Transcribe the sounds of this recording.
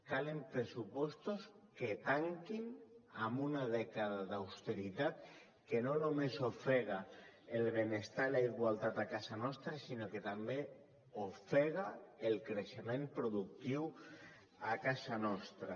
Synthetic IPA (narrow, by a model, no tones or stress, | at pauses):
kalempɾesupɔst̪osket̪aŋkinambunað̞ɛkaðaðawst̪eɾit̪at̪ | kenonomesofeɣ̞aelβenest̪alaiɣwalt̪at̪akasanɔst̪ɾasinoket̪ambe | ofeɣ̞aelkɾeʃemẽmpɾoðuk̚t̪iw | akasanɔst̪ɾa